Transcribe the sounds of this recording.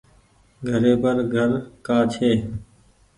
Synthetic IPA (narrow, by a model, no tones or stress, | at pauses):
ɡʱəɾeːpəɾɡʱəɾkaːt͡ʃʰeː